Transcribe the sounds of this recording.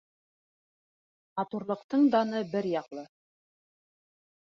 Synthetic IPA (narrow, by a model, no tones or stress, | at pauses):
mɑt̪uɾlˠɤ̆qt̪ɤɴd̪ɑnɤbɘɾjɑqlˠɤ